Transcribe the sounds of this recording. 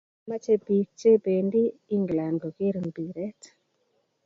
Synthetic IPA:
ma˦t͡ʃe˦pi˨t͡ʃe˦be˨ndi˦i˦ŋɡla˨nɡo˨ke˦ɾmbi˨ɾɛ˦t

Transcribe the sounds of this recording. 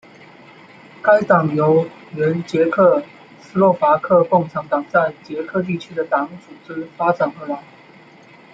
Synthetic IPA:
ka˥ɪt̪ɑ˨˩ŋjo˧˥ʊ | ɥə˧˥nt͡ɕjɛ˧˥kʰɤ˥˩ | sɹ̩˥lwɔ˥˩fa˧˥kʰɤ˥˧kʊ˥˩ŋʈ͡ʂʰɑ˧˥ŋt̪ɑ˨˩ŋt͡sa˥˩ɪt͡ɕjɛ˧˥kʰɤ˥˧t̪̬i˥˩t͡ɕʰy˥d̪ə˨t̪ɑ˧˥ŋt͡su˨˩ʈ͡ʂɻ̩˥fa˥ʈ͡ʂa˨˩nə˧˥la˧˦ɪ

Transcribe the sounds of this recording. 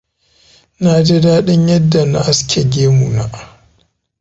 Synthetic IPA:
naː˨de˦daː˦ɗɪ˦ɲjɐ˦dːa˨na˨ʔa˦skʲʰe˨ɡʲeː˦mu˨na˨

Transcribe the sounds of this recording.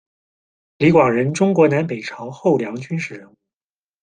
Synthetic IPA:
li˧˥kwɑ˨˩ŋɻə˧˥nʈ͡ʂʊ˥ŋkwɔ˧˥na˧˥npe˨˩ɪʈ͡ʂʰɑ˧˥ʊxo˥˩ʊljɑ˧˥ŋt͡ɕy˥nʂɻ̩˧˥ɻə˧˥ŋ˥˩

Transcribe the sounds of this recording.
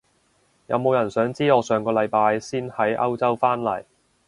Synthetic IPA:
jɐ̰˨˧wmo˨˧wjɐ˨˩nsœː˨˥ŋt͡siː˥ŋɔː˨˧sœː˨˧ŋkɔː˧lɐ˨˧jpaː˧jsiː˥nhɐ˨˥jʔɐ̰˥wt͡sɐ˥wfaː˥nlɐ̰˨˩j

